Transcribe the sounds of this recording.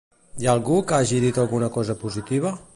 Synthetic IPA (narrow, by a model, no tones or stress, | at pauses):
jaːlˠɣukaʒiðit̪əlˠɣunəkɔzəpuzit̪iβ̞ə